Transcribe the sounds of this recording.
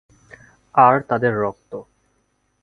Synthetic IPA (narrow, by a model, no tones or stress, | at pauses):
aɾt̪ad̪eɾːɔk̚t̪o